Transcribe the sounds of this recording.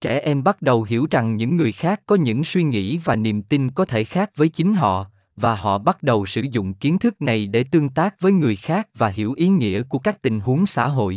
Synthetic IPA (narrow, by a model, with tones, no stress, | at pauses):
t͡ɕɛ˧˩ʔɛ˧mɓa˦˥t̚ɗə˨˩wɦi˧˩əwza˨˩ŋɲɨ̰˧˥ŋːɨ˨˩əjxaː˦˥kːɔ˨˦ɲɨ̰˧˥ŋswi˧ŋḭ˧˥vaː˨˩ni˨˩mt̪i˧nkɔ˨˦t̪ʰe˧˩xaː˦˥k̚vəː˨˦jt͡ɕï˨˦ŋ̟ɦɔ̰˧˨ | vaː˨˩hɔ̰˧˨ɓa˦˥t̚ɗə˨˩wsɨ̰˧˩zʊ̰˧˨ŋ͡mki˨˦ənt̪ʰɨ˦˥k̚na˨˩jɗe˧˩t̪ɨ˧əŋt̪aː˦˥k̚vəː˨˦jŋɨ˨˩əjxaː˦˥k̚vaː˨˩hi˧˩əwʔi˨˦ŋḭ˧˥əku˧˩əkaː˦˥k̚t̪ï˨˩ŋ̟ɦu˨˦əŋsa̰ː˧˥ɦo̰˧˨jʔ